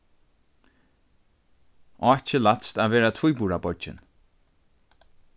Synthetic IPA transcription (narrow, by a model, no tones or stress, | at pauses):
ɔɛt͡ʃəlat̪st̪aːʋeːɹat̪ʰvujbuːɹabɔɹd͡ʒɪ̰n